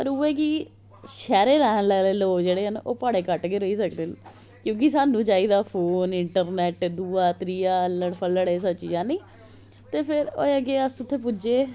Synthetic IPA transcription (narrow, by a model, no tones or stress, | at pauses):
pəɾuːeːki | ʃɛːɾeːɾɛːɦənlɛːleːloːd͡ʒeːɽeːɦəno̰ːpaːɽeːkəʈkeːɾəiːsəkd̪eːn | kjõːk̬ɪsaːnũːd͡ʒaːiːd̪aːpʰoːnɪɳʈəɾnɛːʈd̪uːaːt̪ɾiːaːləɽpʰələɽeːs̬ət͡ʃiːd͡ʒãːniː | t̪eːpʰɪɾoːeəɡeːəsʊt̪ʰːeːpʊd͡ʒeː